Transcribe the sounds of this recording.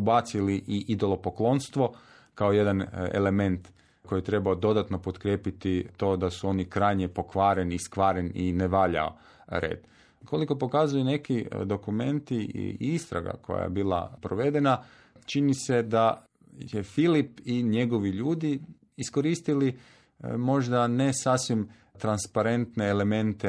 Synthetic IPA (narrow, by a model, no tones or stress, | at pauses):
ubat̪siliʔiʔid̪o̞lˠo̞poklo̞nst̪ʋo̞ | kaoje̞d̪anḛle̞me̞nt̪ | ko̞jit̪ɾe̞baod̪o̞d̪at̪no̞pot̪kɾjeːpit̪it̪o̞ːd̪asuo̞nikɾajɲepo̞kʋaːɾeniskʋaːɾenineʋaʎa̰o̰ | ɾḛːd̪ | kʰo̞liko̞po̞kazujune̞kid̪o̞kume̞nt̪ḭist̪ɾa̰ɡa̰ko̞̰ja̰jḛbiːla̰pɾoʋe̞d̪e̞na | t͡ʃinise̞d̪a | jefilipiɲe̞ɡo̞ʋiʎuːd̪i | isko̞ɾiːst̪ili | mo̞ʒd̪ane̞sasʋim | t̪ɾanspaɾe̞nt̪neːle̞mẽ̞nt̪e